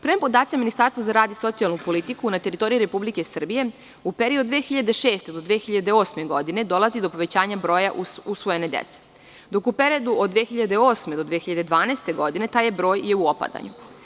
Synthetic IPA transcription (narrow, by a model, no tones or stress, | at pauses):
pɾempo̞d̪aːt̪siminist̪aːɾst̪vazaɾaːd̪iso̞t̪sialnupo̞lit̪ikunat̪e̞ɾit̪o̞ɾijiuɾe̞publike̞sr̩bije̞ | upeɾiod̪ʋeːxiʎad̪e̞ʃe̞ːst̪ed̪o̞d̪ʋeːxiʎad̪e̞o̞ːsme̞ɡo̞d̪ine̞d̪o̞lˠazid̪o̞po̞ʋe̞t͡ɕaːɲabɾo̞ːjaʔuusʋoje̞ne̞d̪ḛt̪se̥ | d̪o̞kupeɾied̪uod̪ːʋexiʎad̪eo̞ːsme̞d̪o̞d̪ʋeːxiʎad̪ed̪ʋaːneːst̪e̞ɡo̞d̪ine̞t̪aːjebɾo̞ːjje̞uopa̰d̪a̰ɲṵ